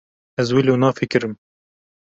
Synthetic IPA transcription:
ɛzwiloːnɑːfɪkɨɾɨm

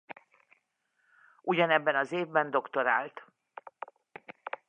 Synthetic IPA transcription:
ʔuɟɒnɛbːɛnɒzeːvbɛnd̪o̞kt̪o̞ɾa̰ːlt̪

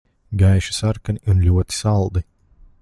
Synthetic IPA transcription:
ɡajʃi̥saɾkaniʔunlʲuɔt̪i̥salˠd̪i

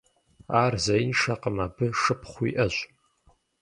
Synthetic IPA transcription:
aːrzajnʂaqʼəmaːbʰɨʂɨpʰχʷḭʔɐʒʷʼ

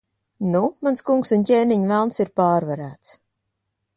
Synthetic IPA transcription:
numanskuŋksuncʲeːniɲvælˠnsiɾpaːɾvaɾæːt̪s

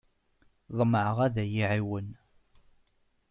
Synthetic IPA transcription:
ðˤməʕəʁæðæjiʕiwən

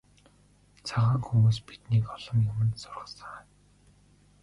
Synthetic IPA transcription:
t͡sʰaʁaːŋxumuːs̬pit̪niːkɔɮɞ̆mjʊmə̆nsʊrʁə̆ɮsə̆ŋ

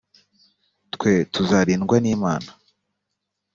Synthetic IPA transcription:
tkwe̞tuzaɾiːnɡwaniːmaːna

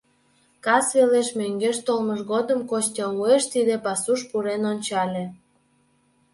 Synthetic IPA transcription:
kɑsβeleʃmøŋɡeʃt̪olməʃɣod̪ə̆mkoɕt̪ʲelueʃt̪id̪epɑsuʃpuɾenonʲt͡ɕɑlʲĕ

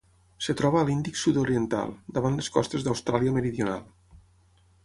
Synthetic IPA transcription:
set̪ɾɔβəːlind̪iksut̪oɾient̪a̰lˠd̪əβ̞anleskɔst̪ezðəwst̪ɾaliəməɾiðjuna̰lˠ

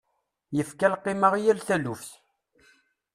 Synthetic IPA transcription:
jəfkælqːɪməʁjælθælufθ

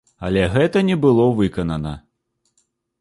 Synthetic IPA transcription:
ɐ̰lʲɛɣɛt̪ɐnʲɛbɨlˠɔvɨkɐnɐnɐ

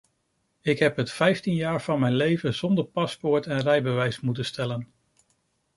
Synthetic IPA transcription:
ɪkɦɛpɦətfɛjftinjaːɹv̥ɑnmɛjnlejvəz̥ɔndəɹpɑspʊɹtɛnrɛjbəʋɛjsmutənstɛlən

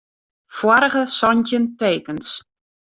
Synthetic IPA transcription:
fwɔɾəɣəsɔntənteːkəns

